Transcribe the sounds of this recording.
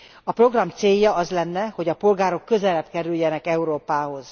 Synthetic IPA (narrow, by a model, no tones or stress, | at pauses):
ɒpro̞ɡrɒmt̪seːjːɒɒzlɛnːɛho̞ɟɒpo̞lɡaːɾo̞kːø̞zɛlɛbkɛɾyljɛnɛkɛuɾoːpaːɦo̞z̥